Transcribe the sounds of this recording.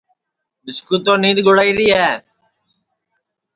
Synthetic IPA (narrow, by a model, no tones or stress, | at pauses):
mɪskuːt̪oːnĩːd̪ɡʊɽaːiːɾiːɛː